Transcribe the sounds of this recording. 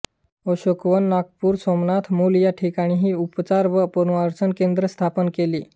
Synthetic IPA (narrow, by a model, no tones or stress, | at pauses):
əɕokʋənːakpuːɾsɔmnat̪ʰmuljaʈʰikaɽ̃iːɦiːupt͡saɾʋəpoɾuaɾt͡sənkend̪ɾəst̪ʰapənkeliː